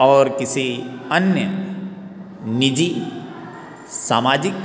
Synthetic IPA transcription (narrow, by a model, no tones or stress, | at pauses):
ɔːɾkɪsiənjə | nɪd͡ʒi | saːmaːd͡ʒɪk